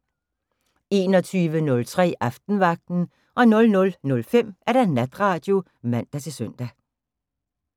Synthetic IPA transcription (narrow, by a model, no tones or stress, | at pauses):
e̝ːnɒ̽t͡sʰyːʋənɔ̽lt͡sʰʁɛ̰ːʔɑfd̥n̩ʋɑ̈ɡ̥̚d̥n̩ | ʔɒ̽nɔ̽lnɔ̽lnɔ̽lfem̰ʔæɐɾ̥ænæd̥ʁɑ̈ːd̥jo̝ | mæn̰d̥æt͡sʰe̝sœn̰d̥æ